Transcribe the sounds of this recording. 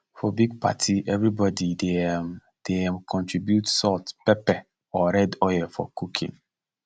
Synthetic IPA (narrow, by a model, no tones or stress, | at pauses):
fɔbiɡ̚pʰa̰tʰiʔɛvɾibɔdide | d̥eɛ̃mkʰɔ̃ntɹibjutsɔtpɛpɛ | ɔɾɛdɔjɛfɔ̰kʰukʰḭ̃ŋ